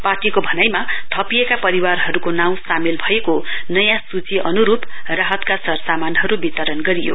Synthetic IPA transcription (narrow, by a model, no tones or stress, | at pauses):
parʈikobʱʌnajmat̪ʰʌpiekapʌɾiwarɦʌɾukonaw̃samilbʱʌekonʌjãsut͡siʔʌnuɾup | raɦʌt̪kasʌrsamanɦʌɾubit̪ʌɾʌnɡʌɾijo̰